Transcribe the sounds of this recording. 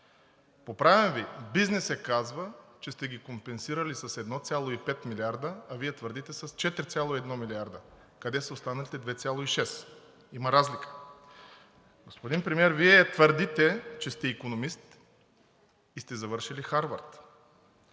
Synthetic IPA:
popɾavɛmvibiznɛsɛkazvət͡ʃɛst̪ɛɡʲikompɛnsiɾəlisɐsɛd̪nɔt̪sʲjalˠoipɛt̪milʲiaɾd̪əɐviɛt̪vəɾd̪it̪ɛsəst͡ʃɛt̪ɾʲit̪sʲjalˠoiɛd̪nɔmiliaɾd̪ə | kɐd̪ɛsɐost̪anəlit̪ɛd̪vɛt̪sʲjalˠoiʃɛs | imɐɾazlikə̥ | ɡospod̪inpɾɛmiɛɾviɛt̪vəɾd̪it̪ɛt͡ʃɛst̪ɛikonomist̪ | ist̪ɛzɐvɤɾʃilixaɾvəɾt̪

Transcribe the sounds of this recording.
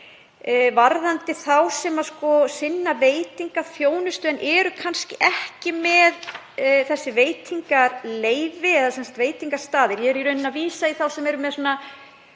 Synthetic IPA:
vaɾðant̪ɪθawsɛmaskɔsɪnːaveːjt̪iŋkaθjoːwnʏst̪ʏɛnʔɛɾʏkʰanscɪʔɛhcɪmɛð | θɛsːɪveːjt̪ʰiŋkaɾleːjvɪɛðasɛnst̪veːjt̪iŋkḁst̪aːðɪɾjɛɛɾiɾʏnɪnaviːsaiθawsɛmɛɾʏmɛðsuna

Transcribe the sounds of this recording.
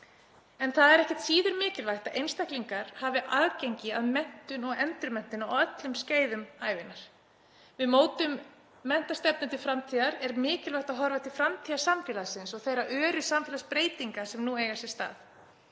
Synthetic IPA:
ɛnθaðɛɾɛhcɛht̪siːðʏɾmɪːcɪlvajxt̪aðʔejnst̪ahkliŋkaɾ̥haːvɪʔaðcejɲcɪaðmɛn̥t̪ʏnɔɣɛnt̪ɾʏmɛn̥t̪ʏnawœt̪lʏmsceːjðʏmaːjvɪnaɾ̥ | vɪðmoːwt̪ʏmː | ɛn̥t̪ast̪ɛpnʏt̪ɪfɾamt̪ʰiːðaɾɛɾmɪːcɪlvajht̪aðɦɔɾvat̪ʰɪlfɾamt̪ʰiːðasamfɪːlasɪnsɔɣθejɾaʔœːɾʏsamfɪlaspɾeːjt̪iŋkasɛmnueːjɣasɛ̥st̪a̰ːθ

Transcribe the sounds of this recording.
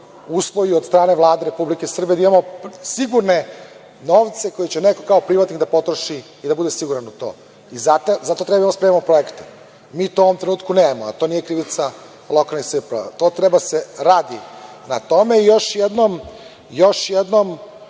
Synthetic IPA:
uːslˠojuod̪st̪ɾaːne̞ʋlˠaːd̪eɾe̞publike̞isr̩bijeaimamosiɡuɾne̞ | noːʋt̪se̞ko̞jit͡ɕenekokaopɾiʋat̪niɣd̪apo̞t̪ɾoʃiː | d̪abud̪e̞siɡuɾanut̪o̰ː | izat̪ozat̪ot̪ɾebaj̪imspɾemiamopɾo̞ekt̪e̥ | miːt̪oːoʋomt̪ɾenuːt̪kuneːmoa̰t̪oniːjekɾiʋit̪sa | lˠo̞kalnixsipa̰t̪ot̪ɾɛbaseɾaːd̪i | nat̪o̞me̞ijo̞ʃjed̪nom | jo̞ʃjed̪nom

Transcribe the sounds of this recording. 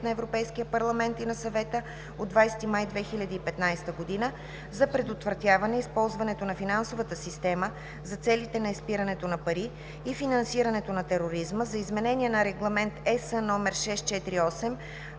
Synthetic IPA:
t̪nɐɛvɾopɛjskijəpɐɾlˠɐmɛnt̪inɐsɐvɛt̪ə | od̪ːvajsɛ̥t̪imajd̪vɛxilʲɐd̪iːpɛt̪najst̪əɡod̪inə | zɐpɾɛd̪ot̪vɾɐt̪ʲjavɐnɛispɔlˠzvɐnɛt̪onɐfinansovət̪əsist̪ɛmə | zɐt̪sɛlit̪ɛnɐispiɾɐnɛt̪onɐpɐɾiː | finɐnsiɾɐnɛt̪onɐt̪ɛɾoɾizməzɐizmɛnɛnʲiɛnɐɾɛɡlˠɐmɛnt̪ɛsənɔmɛɾʃɛst̪̚t͡ʃɛt̪ɾiɔsɛm

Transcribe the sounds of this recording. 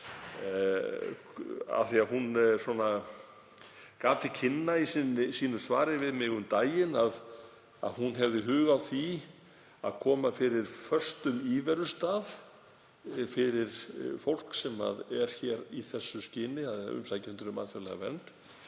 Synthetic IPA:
a̰θiaðɦunsɔna | kaːft̪ʰɪcʰɪnːaisnsiːnʏsva̰ːɾɪvɪðmɪːɣʏmt̪aːjɪnað | a̰ðɦunɦɛvðɪɦʏːɣawθi | aðkʰɔːmafɪɾɪɾ̥fœr̥st̪ʏmiːvɛɾʏst̪aːð | fɪɾɪɾ̥fowl̥ksɛma̰ðɛɾ̥çɛɾiθɛsːʏscɪːnɪaðʏ̰msajcɛnt̪ʏɾʏma̰ːðθjɔɾlɛɣa̰vɛnt̪

